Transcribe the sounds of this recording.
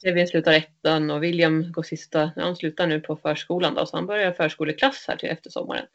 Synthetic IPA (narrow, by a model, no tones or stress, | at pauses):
sɛvɪnslʉ̟ːt̪aɾɛt̪ːanɔvɪljamɡoːsɪst̪a̰ːhanslʉ̟ːt̪aɳʉ̟ːpʰɔfœːʂkuːland̪ɔ̰ːsɔha̰nbœɾjafœːʂkuːləklasːhæ̰ːʈʰɪ̰lɛft̪ʰəʂɔ̰mːa̰ɾə̰n